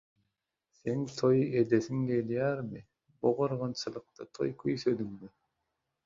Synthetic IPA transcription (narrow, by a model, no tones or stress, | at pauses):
θeŋt̪ʰojʔed̪eθiŋɡeljæːɾmɪ | buʁɑɾʁɑnt͡ʃʰɯlˠɯq̚t̪ɑt̪ʰo̞̰jkʰyjsød̪yŋmi